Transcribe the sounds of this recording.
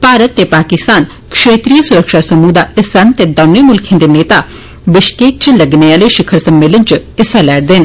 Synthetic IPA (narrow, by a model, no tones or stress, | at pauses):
paːɾət̪ːeːpaːkɪst̪aːn | kʃeːt̪ɾijəsʊɾəkʃasəmuːd̪aɪsant̪eːd̪ɐːnemʊlkʰjãnd̪eneːt̪a | ʋɪʃkeːk̚t͡ʃləɡneaːleʃɪkʰəɾsəmːeːlənt͡ʃɪsalɛːɽd̪en